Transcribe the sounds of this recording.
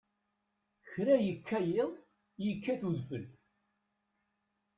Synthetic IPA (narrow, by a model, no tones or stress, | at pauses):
çɾæjəkʰːæjɪðˤ | jəkːæθuðfəl